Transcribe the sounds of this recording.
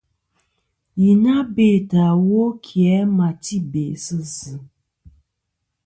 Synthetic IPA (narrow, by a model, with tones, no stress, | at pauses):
ji˨na˦be˦˨ta˨wo˦kʰjɛ˨˦ma˨ti˦be˨sɨ˦zɨ˨